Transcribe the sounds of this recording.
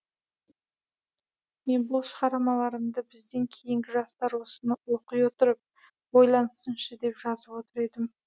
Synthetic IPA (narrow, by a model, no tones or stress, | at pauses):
me̞nbʊlˠʃəʁɑɾɑmɑlˠɑɾəmd̪əbɪzd̪e̞ŋkʲʰe̞jɪŋɡʲɪʒɑst̪ɑɾwo̞sənəwoqəjwot̪əɾəp̚ | bojlˠɑnəsənʃəd̪e̞pʒɑzəpwo̞t̪əɾe̞d̪ɪm